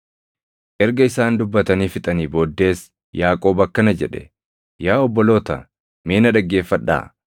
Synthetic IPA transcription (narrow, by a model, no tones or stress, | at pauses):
ʔɛɾɡɐɪsaːnd̪ʊbːɐt̪ɐniːfɪt̪ʼɐniːbo̞ːd̪ːe̞ːs | jaːkʼo̞ːbɐkːɐnɐd͡ʒɛᶑɛ̥̰ | jaːɔbːɔlo̞ːt̪ɐ | meːnɐᶑɐɡːe̞ːfːɐᶑːa̰ː